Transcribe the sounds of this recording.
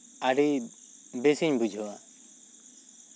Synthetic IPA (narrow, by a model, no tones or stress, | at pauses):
aɖi | besiɲbud͡ʒʱɔwa